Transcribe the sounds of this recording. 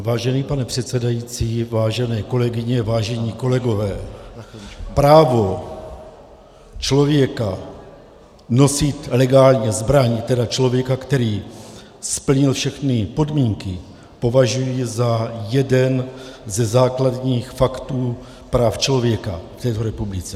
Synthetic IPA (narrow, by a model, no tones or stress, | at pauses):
vaːʒɛniːpanɛpr̝̥ɛt̪t͡sɛdajit͡siːvaːʒɛnɛːko̞lɛɡɪɲɛvaːʒɛɲiːko̞lɛɡo̞vɛː | pɾaːvo̞ | t͡ʃlo̞vjɛka | no̞sɪt̪lɛɡaːlɲɛzbɾaɲɪt̪ɛdat͡ʃlo̞vjɛkakt̪ɛɾiː | spl̩ɲɪlfʃɛxnɪpo̞dmiːŋkɪ | po̞vaʒujɪzajɛdɛnzɛzaːkladɲiːxfakt̪uː | pɾaːft͡ʃlo̞vjɛka̰ft̪ɛːt̪o̞ɾɛpublɪt͡sɛ